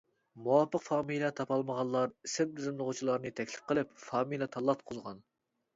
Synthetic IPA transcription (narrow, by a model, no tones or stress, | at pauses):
muwɑpəqfɑːmijlʲˠɛt̪ʰɑpɑlˠməʁɑlˠlːˠɑɾisɪmd̪yzɪmlˠɨʁʊt͡ʃʰilˠɑɾnɨt̪ʰɛkʲlɪ̥p̚qʰəlˠɪpfɑːmijlʲˠɛt̪ʰɑlˠːɑt̪̚qʰʊzʁɑn